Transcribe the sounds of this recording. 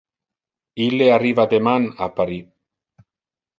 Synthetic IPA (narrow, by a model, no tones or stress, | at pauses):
ileariβad̪emana̰paɾi